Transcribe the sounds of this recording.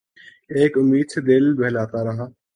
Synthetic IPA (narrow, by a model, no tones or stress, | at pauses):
eːkʊmːiːd̪sed̪ɪlbɛɦlaːt̪aɾɐɦãː